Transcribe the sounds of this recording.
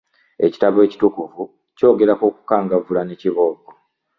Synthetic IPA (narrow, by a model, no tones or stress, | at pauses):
e̞ci̥taβe̞ːci̥tukuvu | co̞ːɡe̞ɾakoːku̥kaːŋɡavulaneciβo̞ːɡo